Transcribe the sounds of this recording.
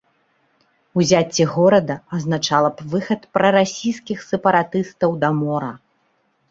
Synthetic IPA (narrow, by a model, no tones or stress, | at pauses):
uzʲat͡sʲːɛɣɔɾɐd̪ɐɐznat͡ʂalˠɐpvɨxɐt̪pɾɐɾasʲijskʲixsʲɛpɐɾat̪ɨst̪ɐwd̪ɐmɔɾɐ